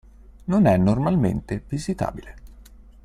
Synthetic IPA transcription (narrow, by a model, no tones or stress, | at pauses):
nonɛnːormalmḛnt̪evizit̪a̰ːbile